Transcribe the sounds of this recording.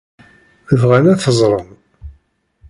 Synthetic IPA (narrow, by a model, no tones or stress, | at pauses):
əvʁænæθəzˤɾˤən